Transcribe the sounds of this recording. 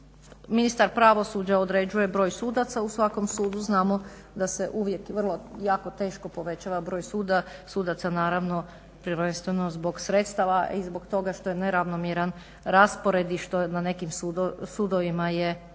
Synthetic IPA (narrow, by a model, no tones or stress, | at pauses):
minist̪aɾpɾaʋo̞sud͡ʑaod̪ɾeːd͡ʑuje̞bɾo̞ːjsuːd̪at̪sausʋako̞msuːd̪uznaːmo̞ | d̪aseʔuʋje̞kʋr̩lˠo̞jaːko̞t̪e̞ːʃko̞po̞ʋe̞t͡ɕaʋabɾo̞ːjsuːd̪asuːd̪at̪sanaːɾaʋno̞ | pɾəɾʋe̞nst̪ʋe̞nozbo̞ɡsɾet̪st̪aʋaʔizbo̞ɡt̪o̞ɡaʃt̪ojene̞ɾaʋnomjeɾan | ɾaspo̞ɾe̞d̪iʃt̪onane̞kimsusuːd̪oʋimaje